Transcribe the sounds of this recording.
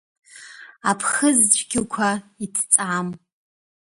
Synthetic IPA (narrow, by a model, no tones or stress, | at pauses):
apʰχəzt͡ʃʷʼʰɡʲɪkʷʰaitʰt͡sʼam